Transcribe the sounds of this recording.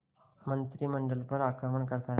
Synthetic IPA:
mənt̪ɾiːməɳɖəlpəɾakɾəməɳkəɾt̪a

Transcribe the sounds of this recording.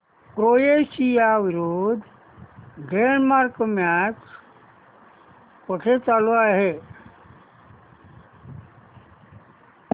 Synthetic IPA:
pɾoːjesijaʋiɾoːd̪ʱ | ɖenmaɾkmjaːt͡ʃ | pəʈʰet͡ʃalaɦe

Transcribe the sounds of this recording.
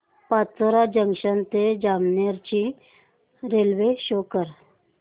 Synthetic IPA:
pat͡soɾad͡ʑəŋɕənt̪ed͡ʑamneɾt͡ɕi | ɾelʋeɕokəɾ

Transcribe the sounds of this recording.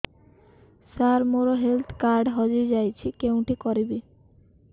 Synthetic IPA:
saɾmoɾoɦelt̪ʰkaɾɖɦɔd͡ʒuɾd͡ʒajt͡ʃʰikew̃ʈikɔɾibi

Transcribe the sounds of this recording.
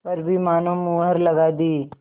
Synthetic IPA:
pɐɾbʱimaːnõmuːɦəɾlɐɡaːd̪iː

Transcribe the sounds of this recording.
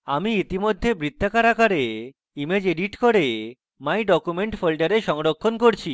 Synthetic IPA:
amiit̪imod̪ʱːebɾit̪ʰːakaɾakaɾe | imed͡ʑeɖiʈkoɾe | maiɖɔkumeɳʈfʰolʈaɾeʃɔŋɾokʰːonkoɾt͡ɕʰi

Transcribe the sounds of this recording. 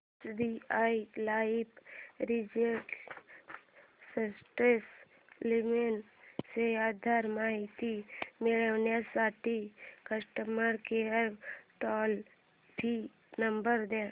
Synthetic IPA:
sd̪iailaːipɾid͡ʒeʈ | səsʈɾes | limen | seaːd̪ʱaɾmaːɦit̪imeɭəʋnjasaːʈikəsʈəməɾkeəɾʈɔːl | bʰʱi | nəmbəɾd̪e

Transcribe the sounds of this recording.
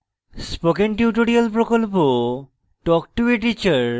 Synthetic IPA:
spokenʈjiuʈoɾialpɾokolpo | ʈɔk̚ʈuiʈ̬it͡ɕaɾ

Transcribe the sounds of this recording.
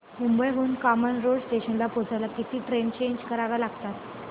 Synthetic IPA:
mumbəjɦounkɔmənɾoɽsʈ̪eɕənlapod͡zajlakit̪iːʈɾent͡ɕeɲd͡ʑkəɾaʋjalaɡt̪at̪

